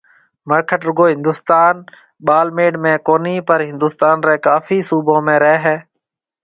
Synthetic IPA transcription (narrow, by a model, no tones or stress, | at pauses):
məɾkʰəʈɾʊɡoːɦɪ̃nd̪ʊːst̪aːn | ɓaːlmeːɖmẽːkoːniːpəɾɦɪ̃nd̪uːst̪aːnɾeːkaːfʰiːsuːbõːmẽːɾɛɛɦɛː